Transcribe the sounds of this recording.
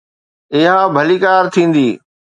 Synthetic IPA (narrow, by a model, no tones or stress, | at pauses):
ɪɦãbʱɐliːkaːɾt̪ʰĩːn̆d̪iː